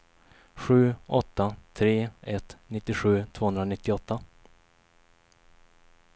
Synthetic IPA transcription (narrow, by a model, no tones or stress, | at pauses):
ɧʉ̟ːɔt̪ːat̪ʰɾeːɛt̪nɪt̪ːɪɧʉ̟ːt̪ʰv̥oːhɵnd̪ɾanɪt̪ːɪɔt̪ːa